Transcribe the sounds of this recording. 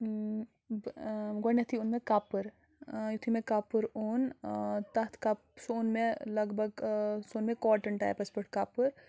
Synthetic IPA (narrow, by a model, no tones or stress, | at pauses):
ɡɔnɐt̪ʰiunmekaːpɨɾ | jut̪ʰimekaːpɨɾont̪ɐɦt̪ʰkapsoːnmelɐɡbʱɐɡsoːnmekɔːʈɐɳʈa̰ːjpɐspəɾʈ̚kaːpɨɾ